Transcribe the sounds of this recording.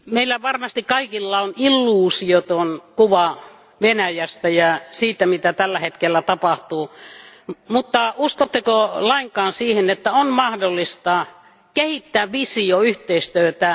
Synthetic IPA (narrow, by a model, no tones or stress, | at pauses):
meilːæʋɑrmɑst̪ikkɑikilːɑonilːuːsiot̪onkuʋɑ | ʋenæjæst̪æjɑsiːt̪æmit̪æt̪ælːæhet̪kelːæt̪ɑpɑht̪uː | mut̪ːɑuskot̪ːekolɑiŋkɑːnsiːhenet̪ːæonmɑhdolːist̪ɑ | kehit̪ːæːʋʋisioyht̪eist̪yøt̪æ